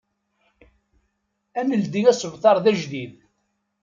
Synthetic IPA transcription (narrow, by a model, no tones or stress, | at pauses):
æməld̪iŋæsəvt̪ɑɾˤðæʒðið